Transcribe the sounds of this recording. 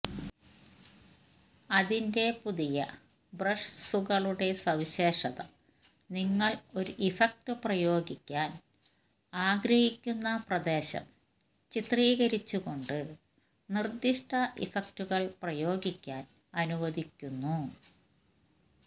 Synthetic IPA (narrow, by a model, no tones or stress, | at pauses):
ɐðinde̞puðijɐ | brɐʂsuɣɐɭuɽe̞sɐwɕe̞ːʂɐðɐ̰ | niŋːɐɭo̞ɾuʔifɐk̚tɨprɐjo̞ːɡikʲːaːn | aːɡɾɐhikʲːunːɐprɐd̪e̞ːɕɐ̰m | t͡ɕit̪riːɣɐɾit͡ɕːuɣo̞ɳɖɨ | nird̪iʂʈɐʔḭfɐk̚tuɣɐɭprɐjo̞ːɡikʲːaːn | ɐnuʋɐðikʲːunːu